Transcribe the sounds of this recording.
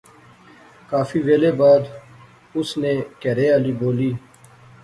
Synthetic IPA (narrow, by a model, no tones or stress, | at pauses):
kaːfiːʋeːleːbaːd̪ | ʊsneːkɛɾeːaːliːboːliː